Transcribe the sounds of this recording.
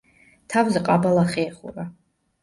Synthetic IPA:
tʰawzɨqʼabalaχeːχṵra

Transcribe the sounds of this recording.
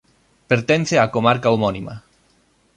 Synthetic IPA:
peɾt̪ɛnθeakomaɾkaomɔnima̰

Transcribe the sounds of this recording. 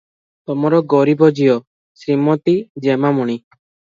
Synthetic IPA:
t̪ɔmɔɾɔɡɔɾibɔd͡ʒijɔ | sɾimɔt̪id͡ʒemamuɽ̃i

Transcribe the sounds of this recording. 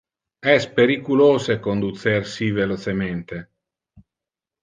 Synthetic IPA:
ɛspeɾikuloːsekond̪ut̪sersivelot͡ʃement̪e

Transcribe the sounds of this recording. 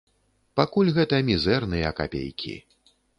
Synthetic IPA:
pakulʲɣɛt̪ɐmʲizɛrnɨjɐka̰pʲḛjkʲḭ

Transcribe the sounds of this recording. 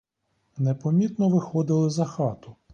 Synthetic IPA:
nepɔmʲit̪nɔʋɪxɔd̪ɪlˠɪzɐxɑt̪ʊ

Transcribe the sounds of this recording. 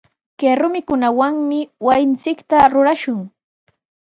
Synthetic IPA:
keɾʊmɪkʊnawaŋmɪwajɪnt͡sɪkt̪aɾʊɾaʃʊŋ

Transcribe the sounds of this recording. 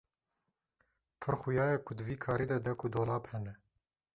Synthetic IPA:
pʰɨɾxʊjɑːjɛkʰʊd̪ɨviːkʰɑːɾiːd̪ɛd̪ɛkʰʊd̪oːlɑːphɛnɛ

